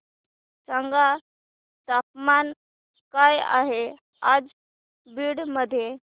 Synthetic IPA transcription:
t͡səŋɡa | t̪ap̚man | kaja̰ɦe | ad͡z | biːɽməd̪ʱje

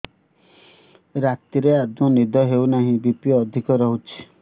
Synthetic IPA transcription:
ɾat̪iɾead̪mɔnid̪ʱɔɦeuwnaɦĩbipiɔːd̪ʱikɔɾɔɦut͡ʃʰi̥

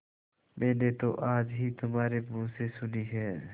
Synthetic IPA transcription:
mɛ̃ːnet̪oʔaːd͡ʒɦit̪ʊmaːɾemũːsesʊniɦɛː

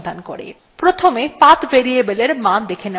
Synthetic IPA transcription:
d̪ʱanko̰ɾḛ | pɾot̪ʰomepat̪beɾijebeleɾmad̪ekʰene

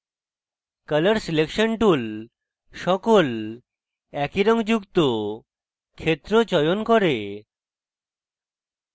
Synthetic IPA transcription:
kələɾsilekʃonʈul | ʃɔkol | ɛkiɾɔŋd͡ʑukt̪o | kʰet̪ːɾot͡ɕɔjonkoɾe

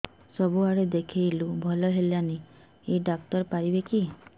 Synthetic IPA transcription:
sɔbuaɽed̪ekʰejlubʱɔlɔɦelani | eɖak̚tɔɾpaɾibeki

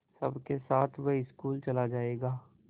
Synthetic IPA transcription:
sɐ̰bʱkesaːt̪ʰʋeɪskuːlt͡ʃɐlad͡ʒaːeːɡaː

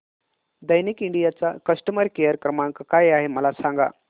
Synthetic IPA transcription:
d̪əjnikiɳɖijat͡sakəsʈəməɾkejəɾkɾəmaŋkkajaɦeməlasãŋɡa̰

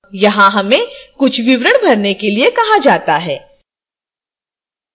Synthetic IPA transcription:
jɐɦãɦɐmẽkʊt͡ʃʰʋɪʋɾəɽ̃bʱɐɾnekeliekɐɦad͡ʒaːt̪aɦɛː

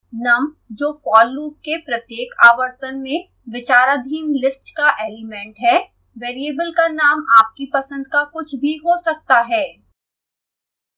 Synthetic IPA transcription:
nɐm | d͡ʒoːfɔːlːuːp̚kepɾɐt̪jeːkaːʋəɾt̪ənmẽ | ʋɪt͡ʃaːɾad̪ʱiːmlɪsʈkaʔeːlɪmɛ̃ːɳʈɦɛː | ʋeːɾiebəlkanaːmaːp̚kipɐsə̃nd̪kakʊt͡ʃʰbʱiɦosɐk̚t̪aɦɛː

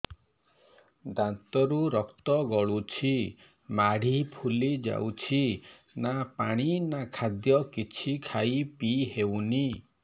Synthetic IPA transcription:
d̪ant̪ɔɾuɾɔkt̪ɔɡɔɭut͡ʃʰi | maɽ̤ipʰulid͡ʒa̰wt͡ʃʰi | napaɽ̃inakʰad̪jɔkit͡ʃʰikʰajpiɦewni

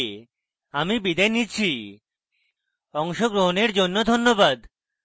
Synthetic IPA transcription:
amibid̪aenit͡ɕʰi | ɔŋʃoɡɾoɦoneɾd͡ʑonːod̪ʱonːobad̪

